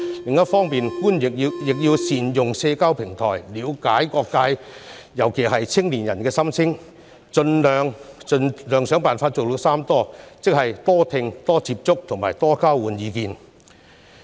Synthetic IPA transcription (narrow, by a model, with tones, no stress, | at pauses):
lɪ˨ŋjɐ˥t̚fɔː˥ŋmiː˨nkuː˥njɪ˨k̚i˧jɪ˨k̚jiː˧wsiː˨njʊ˨ŋsɛː˧kaː˥wpʰɪ˨˩ŋt̪ʰɔ̰ː˨˩jliː˨˧˥wkaː˨˥jkɔː˧kːaː˧jjɐ˨˩wkʰe˨˩ɦɐ˨jt͡sʰɪ˥ŋliː˨˩njɐ˨˩nkɛː˧sɐ˥mt͡sʰɪ˥ŋ | t͡sɵ˧nlœː˨˧ŋt͡sɵ˧nlœː˨ŋsœː˨˥ŋpaː˨nfaː˧t̚t͡so˨wlʊ˨˧˥saː˥mt̪ɔː˥t͡sɪ˥k̚hɐ˨jt̪ɔː˥t̪ʰɪ˧ŋt̪ɔː˥t͡siː˧p̚t͡sʊ˥k̚t̪ʰʊ˨˩ŋmaː˨˩jt̪ɔː˥kaː˥wuː˨˥njiː˨˧kiː˨˧n